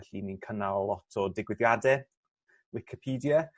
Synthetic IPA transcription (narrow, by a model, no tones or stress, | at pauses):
ɬininkʰənallˠɔtʰɔdɪɡwɪðjadɛ | wɪkʰɪpʰiːdja